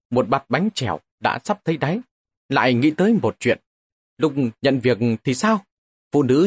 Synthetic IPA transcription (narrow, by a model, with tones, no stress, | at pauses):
mo˨˩t̚ɓa˨˩t̚ɓa˨˦jŋ̟t͡ɕɛ˧˩w | ɗa̰ː˧˥sa˦˥p̚t̪ʰə˨˦jɗa˨˦j | la̰ː˧˨jŋḭ˧˥t̪əː˨˦jmo˨˩t̚t͡ɕwḭ˧˨ən | lʊ˦˥k͡p̚ɲə̰˧˨nvi˨˩ək̚t̪ʰi˨˩saː˧w | fṵ˧˨nɨ̰˧˥